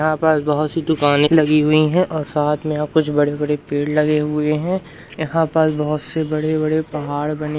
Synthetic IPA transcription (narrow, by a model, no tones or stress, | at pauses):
jɦãpəsbɐɦʊt̪sid̪ʊkaːnẽlɐɡiɦʊiɦɛ̃ʔɔːɾsaːt̪ʰmẽaːb̚kʊt͡ʃʰbɐɽebɐɽepeːɽlɐɡeɦʊeɦɛ̃ | jɐɦãpəsbɐɦʊt̪sebɐɽebɐɽepɐɦaːɽbɐne